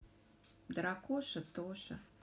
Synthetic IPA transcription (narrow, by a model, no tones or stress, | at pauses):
d̪ɾɑkoʃə̆t̪oʃə̰̆